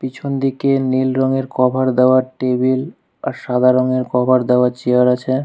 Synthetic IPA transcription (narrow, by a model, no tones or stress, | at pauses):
pit͡ɕʰond̪ikenilɾɔŋeɾkɔbʱaɾd̪ɛoaɾʈebil | aɾʃad̪ʱaɾɔŋeɾkɔbʱaɾd̪ɛoaɾt͡ɕeaɾat͡ɕʰe